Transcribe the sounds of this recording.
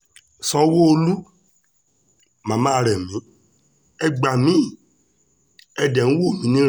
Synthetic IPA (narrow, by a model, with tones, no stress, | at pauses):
sɔ˧˦wo˦o˧lu˦ | mã˨˦mã˦˧ɾɛ˨mĩ˨˦ | ɛ˧ɡ͡ba˨mĩ˨˦˨ | ɛ˧dɛ˨nũ˨˦wo˦˨mĩ˨˦nĩ˦